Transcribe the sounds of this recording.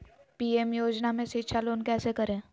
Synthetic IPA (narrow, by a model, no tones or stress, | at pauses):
piːemjoːd͡ʒnamẽsitːʃʰaloːnkɛːsekɐɾẽː